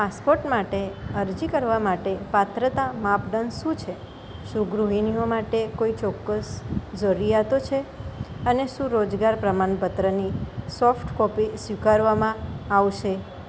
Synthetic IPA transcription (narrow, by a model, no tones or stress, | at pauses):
paspoɾʈmaʈeəɾd͡ʒikəɾʋamaʈepat̪ɾət̪amapɖənʃũt͡ʃʰe | ʃũɡɾuɦiniomaʈekoit͡ʃɔkːəsd͡ʒɔɾijat̪ot͡ʃʰeəneʃũɾod͡ʒɡaɾpɾəmanpət̪ɾənisɔfʈkɔpisʋikaɾʋamãaʋʃe